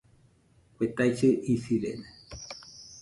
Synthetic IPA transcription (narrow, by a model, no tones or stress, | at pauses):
wʷet̪ajt͡ʃɨʔisiɾḛne